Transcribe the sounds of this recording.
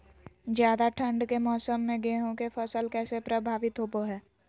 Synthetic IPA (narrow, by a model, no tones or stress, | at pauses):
d͡ʒjaːd̪aʈʰə̃ɳɖkemɔːsəmːẽɡeːɦõkefəsəlkɛːsepɾəbʱaːʋɪt̪ɦopoɦɛː